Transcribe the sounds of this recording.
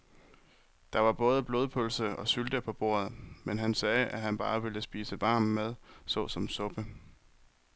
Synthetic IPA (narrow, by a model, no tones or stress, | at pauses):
d̥ɑ̈ʋɑ̈b̥ɔ̽ːð̞ˠəb̥lo̝ːðˠpʰɔlsəʔɒ̽syld̥əpʰɒ̽b̥o̝̰ːɐð̞̩ˠmenɦænsɛːʔæɦænb̥ɑ̈ːʋe̝ləsb̥ḭːsəʋɑ̈ːmmeð̞ˠsɔ̽sɒ̽msɔ̽b̥ə